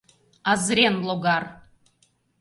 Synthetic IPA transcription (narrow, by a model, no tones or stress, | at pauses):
ɑzɾʲenlˠoɡɑr